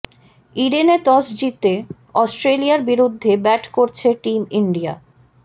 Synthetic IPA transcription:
iɖenet̪ɔsd͡ʑit̪e | ɔsʈɾelijaɾbiɾud̪ʱːebɛʈʰkoɾt͡ɕʰeʈimiɳɖija̰

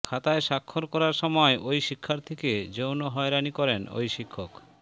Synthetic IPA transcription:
kʰat̪aeʃakʰːoɾkɔɾaɾʃɔmɔeʔojʃikʰːaɾt̪ʰeked͡ʑownoɦɔeɾanikɔɾeno̰jʃikʰːok

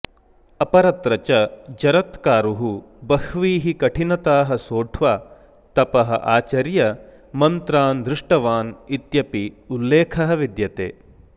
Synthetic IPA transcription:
ɐpɐɾɐt̪ɾɐt͡ʃɐd͡ʒɐɾɐt̪kaːɾuɦu | bɐhʋiːɦikɐʈʰinɐt̪aːɦɐsoːʈʰʋaː | t̪ɐpɐɦɐ̰ʔaːt͡ʃɐɾjɐ | mɐnt̪ɾaːnd̪ɾɪʂʈɐʋaːnit̪jɐpiulːeːkʰɐɦɐʋid̪jɐt̪ḛː

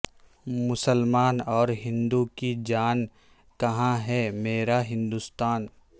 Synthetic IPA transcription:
mʊsəlmaːnɔːɾɦɪ̃nd̪ukid͡ʒaːn | kɐɦãɦɛmeːɾaɦɪ̃nd̪ust̪aːn

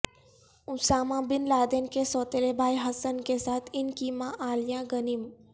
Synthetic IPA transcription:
ʊsaːmãbɪnlaːd̪enkesɔːt̪elebʱaːiɦɐsənkesaːt̪ʰɪnkimãʔaːljãːɡɐnim

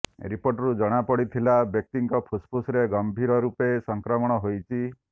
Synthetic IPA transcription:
ɾipoɾʈɔɾud͡ʒɔɽ̃apɔɽit̪ʰilabjek̚t̪iŋkɔpʰuspʰusɾeɡɔmbʱiɾɔɾupesɔŋkɾɔmɔɽ̃ɔɦojt͡ʃʰi

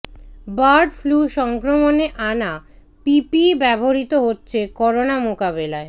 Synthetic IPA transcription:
baɾɖfluʃɔŋkɾomoneʔana | pipibɛboɾit̪oɦotːɕʰekɔɾonamokabelae

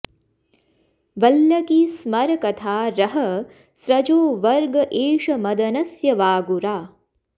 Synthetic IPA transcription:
ʋɐljɐkismɐɾɐkɐt̪ʰaːɾɐɦɐ | sɾɐd͡ʒoːʋɐɾɡɐʔeːʃɐmɐd̪ɐnɐsjɐʋaːɡuɾaː

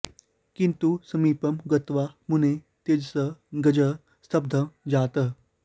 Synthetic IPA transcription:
kĩnt̪usəmiːpəmɡət̪ʋamune | t̪ed͡ʑsəɡəd͡ʑə | st̪ʰɐb̚d̪ʱəmd͡zat̪ə

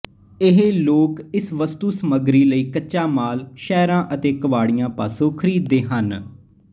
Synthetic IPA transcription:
ɪɦeloːkɪsʋəst̪uːsəməɡɾiːləiːkəʃaːmaːlʃɛːɾãːʔət̪eːkəʋaːɽijãːpaːsoːkʰəɾiːd̪ːeːɦən

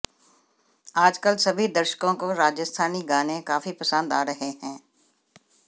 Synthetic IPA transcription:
aːd͡ʒkəlsɐbʱid̪əɾʃə̥kõkoɾaːd͡ʒəst̪ʰaːniɡaːnẽkaːfipɐsə̃nd̪aːɾɐɦeɦɛ̃ː

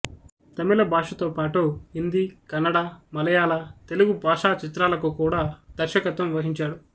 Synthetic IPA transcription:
t̪ɐmilɐbʱaːʂɐt̪oːpaːʈuɦind̪ikɐnːɐɽaːmɐlɐjaːlɐt̪e̞luɡubaːʂaːt͡ʃit̪ɾaːlɐkukuːɽaːd̪̥ɐɾʃɐkɐt̪ʋɐmʋɐɦiɲt͡ʃaːɽu

